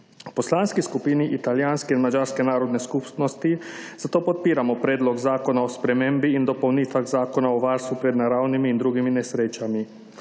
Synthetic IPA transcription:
pɔslaːnskiskupiːniʔit̪aljaːnskɛinmad͡ʒaːɾskɛnaːɾɔd̪nɛskupsnɔst̪izat̪oːpɔt̪̚piːɾamɔpɾeːd̪lɔɡzaːkɔnaospɾɛmembiːnd̪ɔpownit̪ʋaɣzaːkɔnaɔʋaːɾst̪ʋupɾɛd̪naɾaːwnimiːnd̪ɾuːɡiminɛsɾeːt͡ʃami

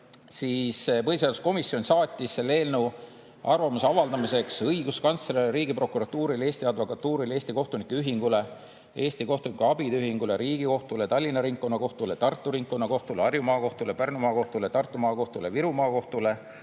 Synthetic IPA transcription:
siːspɤhis̬eɑd̪usko̞misio̞nʲsɑːt̪ʲːisːe̞lːe̞ːlnu | ʔɑrvɑmusɑvɑld̪̥ɑmise̞ksɤjɡ̥uskɑnselelɾiːɡ̥ipro̞kˑuɾɑt̪ːuːɾile̞ːst̪iɑd̪vo̞kɑt̪ːuːɾile̞ːsʲt̪iko̞ht̪unikːeyɦiŋɡ̥ule̞ | e̞ːst̪iko̞ht̪unikuɑb̥id̪yɦiŋɡ̥ule̞ɾiːɡ̥iko̞ht̪ulet̪ɑlʲːinɑɾiŋkːˑo̞nɑko̞ht̪ulet̪ɑrt̪ˑːuɾiŋkkːo̞nːɑko̞ht̪uleɑrjumɑːko̞ht̪ulepærnumɑːko̞ht̪ulet̪ɑrt̪ːˑumɑːko̞ht̪uleviɾumɑːko̞ht̪ule̞

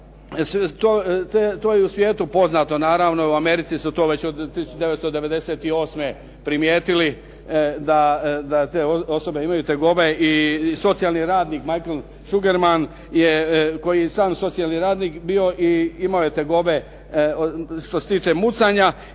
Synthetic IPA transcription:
st̪oːt̪et̪oːjeusʋje̞ːt̪upo̞znat̪o̞naːɾaːʋno̞uame̞ɾit̪sisut̪o̞ːʋe̞t͡ɕod̪t̪ːisut͡ʃud̪e̞ʋet̪st̪od̪e̞ʋe̞d̪e̞se̞ːt̪io̞ːsme | pɾimjeːt̪ili | d̪ad̪at̪eːoo̞so̞be̞imajut̪eɡo̞be̞iso̞t̪sijalˠniɾaːd̪niːkmajkel | ʃuɡeɾman | jeko̞jijesaːmso̞t̪sijalniɾaːd̪nikbio̞ʔiimaoje̞t̪eɡo̞be | ʃt̪oset̪iːt͡ʃe̞mut̪saɲa

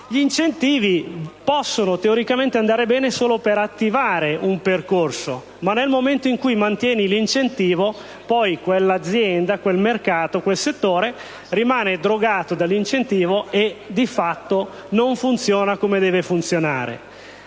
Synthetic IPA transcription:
ʎint͡ʃent̪iːvipɔsːonot̪eoɾikament̪eand̪aːɾebɛːnesoːlopeɾat̪ːivaːɾeʔumperkorso | manːelmoment̪oiŋkujmant̪jɛːnilint͡ʃent̪iːvo | pɔjkwelːad̪zːjɛnd̪akwelmerkaːt̪okwelset̪ːoːɾe | rimaːned̪ɾoɡaːt̪od̪alːint͡ʃent̪iːvoed̪ifat̪ːo | noɱfunt̪sjoːnakomed̪ɛːvefunt̪sjona̰ːɾḛ

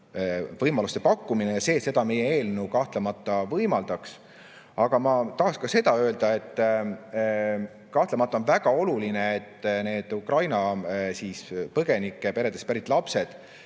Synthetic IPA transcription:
vɤjmɑlust̪e̞pɑkːuminejɑse̞ːse̞d̪̥ɑme̞jee̞ːlnuwkɑht̪le̞mɑt̪ˑːɑvɤjmɑld̪̥ɑks | ɑɡ̥ɑmɑt̪ɑɦɑkskɑse̞d̪̥ɑø̞ːld̪ɑe̞t̪ː | kɑht̪lemɑt̪ːˑɑonvæɡ̥ɑo̞luline̞et̪ːne̞ːd̪̥ukrɑjnɑsispɤɡ̥e̞nikːˑepe̞ɾe̞d̪̥e̞spæɾit̪ːˑlɑpse̞d̪̥

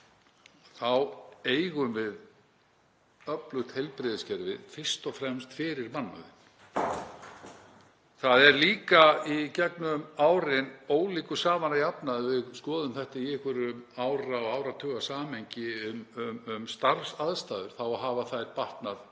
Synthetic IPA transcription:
θaweːjɣʏmvɪð | œplʏxt̪hejlpɾɪːðɪscɛɾvɪðfɪr̥st̪ɔfɾɛmst̪fɪɾɪɾmanːa̰ðɪn | θaðɛɾliːkaicɛknʏmaːwɾɪnoːwliːkʏsaːvanajapnaðvɪðskɔːðʏmθɛht̪aiɛhkvʏɾʏmawɾaɔawɾat̪ʰœːɣasaːmeɲcɪʏmʏmʏmst̪aɾsaðst̪aːðʏɾ̥θawaɦaːvaθajɾpaht̪nað

